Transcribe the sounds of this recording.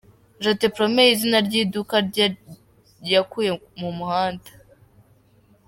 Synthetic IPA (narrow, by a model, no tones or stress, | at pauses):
ʒatepɾomeizinaɾɟiːdukaɾ | jakujemumuhaːndḁ